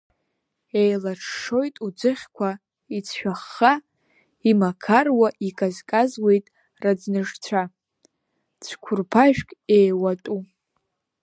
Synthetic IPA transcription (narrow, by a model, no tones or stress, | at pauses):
ejlaʈ͡ʂʰʂo̞jtʼud͡zɨχʲkʷʰa | it͡sʰʃᶣaχːa | imakʰarwaʔikʼazkʼazwe̞jtʼ | rad͡znɨʐt͡sʷʰa | t͡sʷʰkʷʰʊrpʰaʒᶣkʼejwatʼu